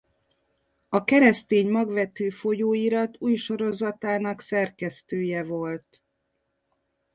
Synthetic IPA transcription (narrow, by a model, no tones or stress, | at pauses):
ɒkɛɾɛst̪eːɲmɒɡʋɛt̪øːfo̞joːiɾɒt̪uːjʃo̞ɾo̞zɒt̪aːnɒksɛrkɛst̪øːjɛvo̞lt̪